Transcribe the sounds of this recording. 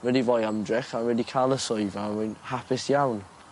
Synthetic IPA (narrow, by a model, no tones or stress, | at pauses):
wɛdivɔːjamdrɛχanwɛdikʰaːlˠəsʊɨvamʊjnhapʰɪsjawn